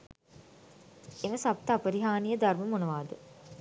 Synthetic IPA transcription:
eməsapt̪əapəɾiɦaːnijəd̪arməmonɐʋaːd̪ə

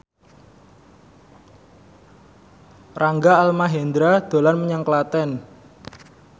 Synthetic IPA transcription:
raŋɡaalmaɦɛnd̪ɾad̪̥o̤lanməɲaŋklat̪ɛn

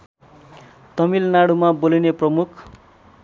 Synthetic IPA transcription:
t̪ʌmilnaɽumabolineprʌmukʰ

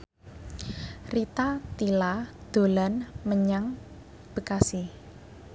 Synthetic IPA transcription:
rit̪at̪ilad̪̥o̤lanməɲaŋ | b̥əkasi

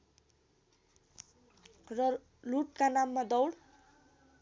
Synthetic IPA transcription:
rʌ | luʈkanamːad̪ʌwɽ

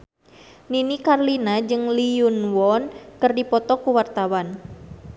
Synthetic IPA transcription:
ninikarlinad͡ʒɨŋliunwɔnkɨrdipɔt̪ɔkuwart̪awan

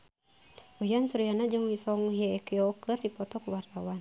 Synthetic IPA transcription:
ujansuɾijanad͡ʒɨŋwisɔŋuɦijaɛkijɔkɨrdipɔt̪ɔkəwart̪awan

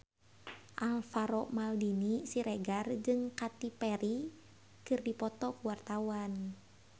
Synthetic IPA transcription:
ʔalfaɾɔmaldinisiɾɛɡard͡ʒɨŋkat̪ipɛɾi | kɨrdipɔt̪ɔkuwart̪awan

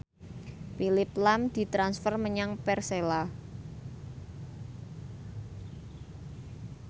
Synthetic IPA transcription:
pilɪplamd̪̥i̤t̪ɾansfərməɲaŋpɛrsela

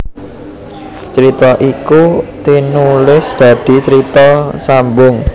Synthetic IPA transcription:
t͡ʃɾit̪ɔʔikut̪inulɪsd̪̥ä̤d̪̥i̤t͡ʃəɾit̪ɔsambʊŋ

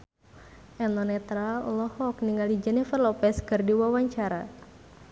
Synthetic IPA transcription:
ʔɛnɔnɛt̪ɾaɔlɔhɔk̚niŋɡalid͡ʒɛnɛfərlɔpɛskɨrdiwawaɲt͡ʃaɾa

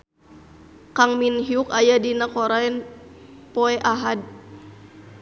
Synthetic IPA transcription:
kaŋminɦiukajadinakɔɾaɛn | pɔɛʔaɦad̚

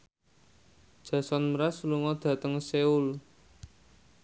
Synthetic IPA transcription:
d̥ʒ̥ä̤sɔnməɾasuluŋɔd̪̥ä̤t̪əŋseul

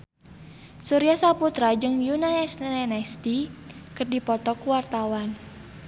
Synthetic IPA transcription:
suɾiasaput̪ɾad͡ʒɨŋjunanɛsnɛnɛst̪ikərdipɔt̪ɔkuwart̪awan

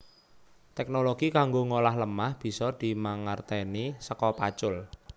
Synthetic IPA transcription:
t̪ɛk̚noloɡ̥ikaŋɡoŋolaɦləmahb̥i̤sɔd̪̥i̤maŋart̪enisəkɔpat͡ʃʊl

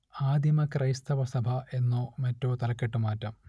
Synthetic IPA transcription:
aːd̪ʱjɐmɐkrɐjst̪ʰɐʋɐsɐbʱɐʔe̞nːoːmɐtːo̞ːt̪ɐlɐkːeʈːumaːtːɐm

